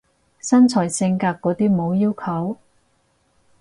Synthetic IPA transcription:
sɐ˥nt͡sʰɔː˨˩jsɪ˧ŋkaː˧k̚kːɔː˨˥t̪iː˥mo˨˧wjiː˥wkʰɐ˨˥w

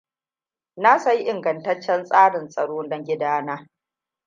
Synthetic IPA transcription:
naː˦sɐ˦ji˦ʔɪ˨ŋɡɐ˨ntɐ˦t͡ʃːɛ˦nsʼaː˦ɽɪ˨nsʼɐ̰˨ɽoː˦dɔ˦ŋɡʲɪ˦daː˦naː˦

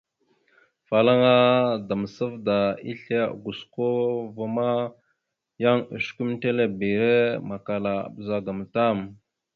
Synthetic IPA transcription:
fa˨la˦ŋa˦da˨mə˨sə˦vda˨ḭ˦ɬḛ˦˨ɡu˨sko˦va˨ma˦ | ja˦ŋə̰˨ʃku˦m˦te˦le˦˨bi˨ɾe˦ma˨ka˨la̰˨bə˨za˨ɡa˨m˨ta˦˨m

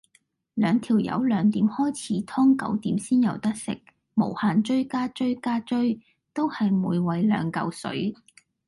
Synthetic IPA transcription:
lœː˨˧ŋt̪ʰiː˨˩wjɐ̰˨˧wlœː˨˧ŋt̪iː˨˥mhɔː˥jt͡sʰiː˨˥t̪ʰɔː˥ŋkɐ̰˨˥wt̪iː˨˥msiː˥njɐ˨˧wt̪ɐ˥k̚sɪ̰˨k̚ | mo̰˨˩whaː˨nt͡ʃɵ˥ɥkaː˥t͡ʃɵ˥ɥkaː˥t͡ʃɵ˥ɥ | t̪o˥whɐ˨jmuː˨˧jwɐ˨˧jlœ̰ː˨˧ŋkɐ̰˧wsɵ̰˨˥ɥ

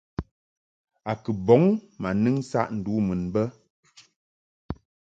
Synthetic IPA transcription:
a˨kɨ˨bɔ˨˦ŋma˨nɨ˦ŋ˦sa̰˦ʔn̩˨du˨˦mɨ˨nbə˦

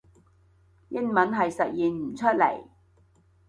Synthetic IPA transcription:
jɪ˥ŋmɐ˨˥nɦɐ˨jsɐ˨t̚jiː˨nm̩˨˩t͡ʃʰɵ˥t̚lḛ˨˩j

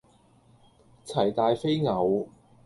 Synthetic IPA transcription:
t͡sʰɐ˨˩jt̪aː˨jfe˥jŋɐ˨˧w

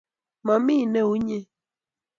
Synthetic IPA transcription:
ma˨mi˦˨nɛ˦˨u˦ɲe˦

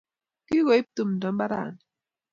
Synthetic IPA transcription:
ki˦ɣɔ˨i˦p̚tu˦˨m˨dɔ˨m˦ba˦ɾa̰˦˨n˨

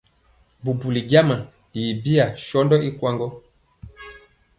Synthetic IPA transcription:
bu˨bu˨li˨ɡa˦ma˨ | ji˨bi˦a˨ʃɔ˦ndɔ˦i˦kwa˦ŋɡɔ˦

